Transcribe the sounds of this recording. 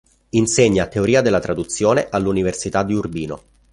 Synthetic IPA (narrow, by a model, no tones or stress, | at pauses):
inseɲːat̪ːeoɾiːad̪elːat̪ɾad̪ut̪sːjoːneʔalːuniversit̪ad̪ːiurbiːno